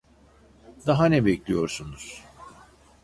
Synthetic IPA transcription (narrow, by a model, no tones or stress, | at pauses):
d̪aɦanɛbɛclʲijo̞ɾsunuz̥